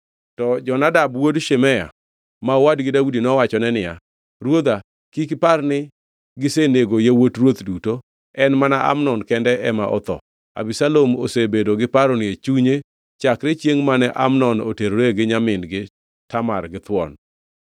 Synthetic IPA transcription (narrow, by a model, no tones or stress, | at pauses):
tɔd͡ʒɔnadabwodʃemɛja̰ | mawadɡɪdaudinɔwat͡ʃɔnɛnɪja̰ | ɾwod̪a | kikparnɪ | ɡɪseneɡojewotrwot̪duto | ɛnmanaʔa̰mnɔnkɛndɛʔɛmaʔɔ̰t̪ɔ̰ | a̰bisalomo̰sebedoɡɪpaɾonɪet͡ʃuɲe | t͡ʃakɾet͡ʃjeŋmanɛʔamnɔnoteɾoɾeɡɪɲamɪnɡɪ | tamarɡɪt̪wɔ̰n